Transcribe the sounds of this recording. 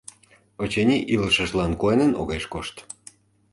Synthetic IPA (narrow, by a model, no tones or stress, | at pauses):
ot͡ɕenʲiʔiləʃəʃlɑnkoenəno̰ɣeʃkoʃt̪